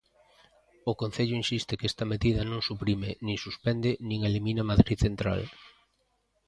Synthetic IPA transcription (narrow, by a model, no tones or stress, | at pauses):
ʊkon̟θeʎʊinsist̪ɪkest̪ɐmeðiðɐnõŋsupɾimɪnĩŋsuspɛnd̪ɪnĩŋelimĩnɐmaðɾiðθent̪ɾa̰l